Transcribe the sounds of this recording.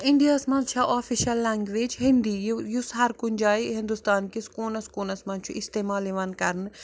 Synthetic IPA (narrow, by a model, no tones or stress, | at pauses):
ɪnɖ̪ijaːsmɐnt͡ʃʰaʔaːfiʃɐlːaːŋɡʋeːd͡ʒɦɪnd̪ijjusɦɐɾkunʲd͡ʒaːiɦɪ̃nd̪ust̪aːnkiskoːnɐskoːnɐsmɐnt͡ʃʰuʔɪst̪eːmaːleʋɐnkɐɾn